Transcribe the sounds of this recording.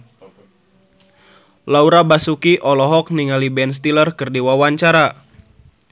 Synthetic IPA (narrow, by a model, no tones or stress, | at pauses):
lauɾabasukiʔɔlɔɦɔk̚niŋalibɛns̬t̪ilərkɨrdiwawaɲt͡ʃaɾa